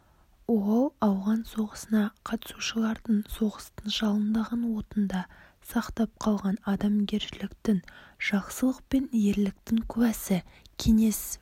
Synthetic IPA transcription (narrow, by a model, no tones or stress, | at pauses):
oʁlˠɑwʁɑnso̞ʁəsənɑqʰɑt̪ə̥suʃəlˠɑɾd̪əɴso̞ʁəst̪ənʒɑlˠənd̪ɑʁɑnwo̞t̪ənd̪ɑ | sɑqt̪ɑp̚qʰɑlˠʁɑnɑd̪ɑmɡʲe̞ɾʃɪlɪkt̪ɪŋʒ̥ɑqsəlˠəq̚pe̞nje̞ɾlɪk̚t̪ɪŋkʲʰʏwæsɪkʲʰe̞ŋe̞s